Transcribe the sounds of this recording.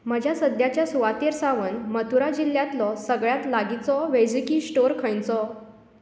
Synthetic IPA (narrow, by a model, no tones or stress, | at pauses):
məd͡ʑʱjasəd̪ʱjat͡ɕjasuʋat̪eɾsaʋənmət̪ʰuɾad͡ʑiljat̪lɔsəɡɭjat̪laɡit͡sɔʋed͡zikiːsʈoɾkʰə̃jt͡sɔ